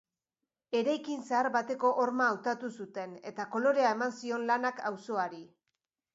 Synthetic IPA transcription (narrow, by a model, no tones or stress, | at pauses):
e̞ɾajkinseaɾβat̪e̞ko̞ʔoɾmaːwt̪at̪usut̪e̞ne̞̰t̪ako̞lo̞ɾe̞ae̞mansio̞nlanakawso̞aɾi